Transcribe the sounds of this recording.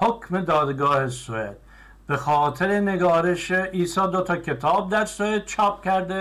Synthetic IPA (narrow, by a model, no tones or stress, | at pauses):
hokʰmed̪ɒːd̪ɡɒːhesoḛd̪̥ | b̥exɒːt̪ʰeɾene̞ɡɒːɾeʃeʔiːsɒːd̪ot̪ʰɒcʰe̞t̪ʰɒːb̚d̪æɾsoeːd̪̥̚t͡ʃʰɒːp̚cʲæɾd̪e